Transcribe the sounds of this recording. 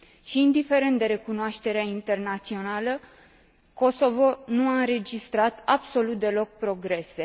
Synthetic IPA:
ʃiːnd̪ife̞ɾent̪d̪e̞ɾe̞kunoaʃt̪e̞ɾeaint̪e̞rnat̪sio̞nalə | ko̞so̞vo̞nuaɨnɾe̞d͡ʒist̪ɾat̪abso̞lut̪̚d̪e̞lo̞k̚pɾo̞ɡɾe̞se̞

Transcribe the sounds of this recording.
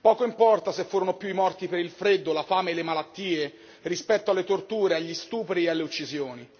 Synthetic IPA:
pɔːkoimpɔrt̪asefːuːɾonopjuimɔrt̪ipeɾilfɾed̪ːolafaːmeːlːemalat̪ːiːe | rispɛt̪ːoalːet̪ort̪uːɾeaʎːist̪uːpɾiealːeut͡ʃːizjoːni

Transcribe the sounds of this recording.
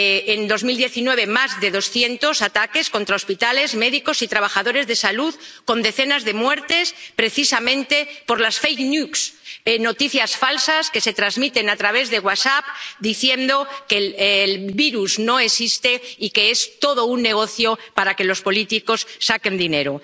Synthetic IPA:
eend̪o̞zmild̪je̞θinwe̞β̞e̞mazðe̞ðo̞sθje̞nt̪o̞sat̪ake̞skont̪ɾao̞spit̪ale̞zme̞ðiko̞sit̪ɾaβ̞axaðo̞ɾe̞zðe̞saluðko̞nd̪e̞θe̞nazðe̞mwe̞ɾt̪e̞spɾe̞θisamẽ̞nt̪e̞po̞ɾlasfejknjukseno̞t̪iθjasfalsaske̞se̞t̪ɾazmit̪e̞nat̪ɾaβ̞e̞zðe̞ɣwasap̚d̪iθje̞nd̪o̞ke̞llβiɾuzno̞esist̪e̞ike̞e̞st̪o̞ðo̞unːe̞ɣ̞o̞θjo̞paɾake̞lo̞spo̞lit̪iko̞sːake̞nd̪ine̞ɾo

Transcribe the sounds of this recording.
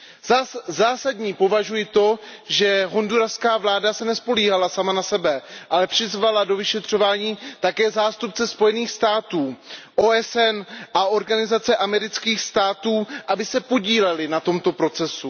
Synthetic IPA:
zaːsadɲiːpo̞vaʒujɪt̪o̞ʒɛɦo̞nduɾafskaːvlaːdasɛnɛspo̞liːɦalasamanasɛbɛʔalɛpr̝̥ɪzvalado̞vɪʃɛt̪r̝̥o̞vaːɲiːt̪akɛːzaːst̪up̚t͡sɛspo̞jɛniːxst̪aːt̪uːʔo̞ːɛsɛnʔaʔo̞ɾɡanɪzat͡sɛʔamɛɾɪt͡skiːxst̪aːt̪uːʔabɪsɛpo̞ɟiːlɛlɪnat̪o̞mt̪o̞pɾo̞t͡sɛsu

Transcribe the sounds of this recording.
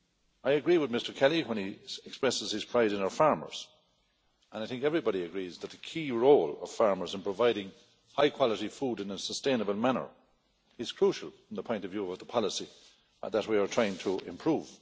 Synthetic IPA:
aɪɨɡɹiwɪðmɪstə˞kʰɛlˠiwə̃niɛkspɹɛsɪz̥ɨz̥pʰɹ̥aɪɾɨ̃naʊə˞faɹmə̰˞z̥ | ə̃naɪθɪ̃ŋkɛvɹibɑɾiəɡɹizðət̪̚ðəkʰiːɹoʊlʌ̰v̥faɹmə˞zɨ̃npʰɹ̥əvaɪɾɪ̃ŋ | haɪkʰw̥ɑləɾifuːɾɨ̃nəsəstẽɪ̃nəbəlˠmanə̰˞ | ɪz̥kʰɹ̥uʃəl̩ˠffɹʌ̃mðəpʰɔ̃ɪ̃ntʌvjuːʌvðəpʰɑlˠəsi | ðət̚wiə˞tʰɹ̥aɪɪ̃ŋtʰəɪ̰̃mpʰɹ̥uːv̥

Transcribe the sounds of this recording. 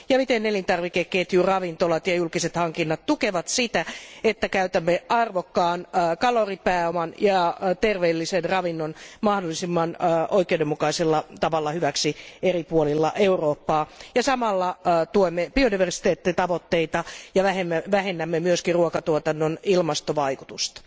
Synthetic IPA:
jɑmit̪enelint̪ɑrʋikekːeːt̪jurɑʋint̪olɑt̪jɑjulkiset̪hɑŋkinːɑt̪t̪ukeʋɑt̪sit̪æet̪ːækæyt̪æmːeʔɑrʋokːɑːnkɑloripæːomɑnjɑt̪erʋeːlːisenrɑʋinːonmɑhdolːˑisimːɑnoikˑeudemːukɑiselːɑt̪ɑʋɑlːɑhyʋæksieripuolilːɑ̰ʔeuroːpːɑːjɑsɑmɑlːɑt̪uoimːeb̥iodiʋersi̥t̪eːt̪ːit̪ɑʋot̪ːeit̪ɑjɑʋæhemːæʋæhenːæmːemyøskiruokɑt̪uot̪ɑnːonilmɑst̪oʋɑikut̪ust̪ɑ̥

